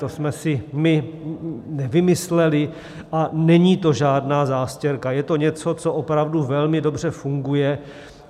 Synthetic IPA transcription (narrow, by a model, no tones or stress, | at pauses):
t̪osmɛsɪmɪ | nɛvɪmɪslɛlɪ | ʔanɛɲiːt̪o̞ʒaːdnaːzaːscɛɾkajɛt̪o̞ɲɛt͡so̞t͡soʔopɾavduvɛlmɪdo̞br̝̥ɛfuŋɡujɛ